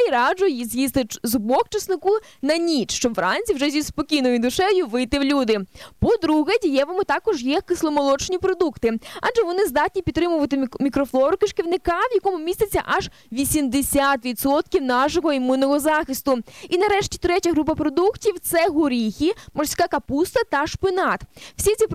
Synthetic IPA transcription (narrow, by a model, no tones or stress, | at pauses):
iɾɑd͡ʒʊjizjist̪ɪzʊbɔk̚t͡ʃɐsnɪkunɐnʲit͡ʃʃt͡ʃɔbʋɾɑnʲt͡sʲiwʐɛzʲispɔkʲijnɔjʊd̪ʊʃɛjʊʋɪjt̪ɪwlʲud̪ɪpɔd̪ɾuɦɛdʲijɛʋɐmʊt̪ɑkɔʒjɛkɪslˠɔmɔlˠɔt͡ʃnʲipɾɔd̪ukt̪ɪɑdd͡ʒɛʋɔnɪzd̪ɑt̚ʲnʲipʲit̪t̪ːɾɪmʊʋɐt̪ɪmʲikɾɔflˠɔɾʊkɪʃkʲɪwnɪkɑʋjɐkɔmʊmʲisɐt͡sʲːɐ̰ʔɐʒ | ʋʲisʲimd̪esʲat̪ʋʲidt̪sɔt̪̚kʲiwn̪ɑʃɔɦɔimunːɔɦɔzɑxɪst̪ʊinɐɾɛʃtʲit̪ɾɛtʲɐɦɾup̬ɐpɾɔd̪uktʲiwt̪sɛɦʊɾʲixʲimɔrsʲkɑkɐpust̪ɐt̪ɐʃpɪnɑt̪w̥sʲit͡sʲip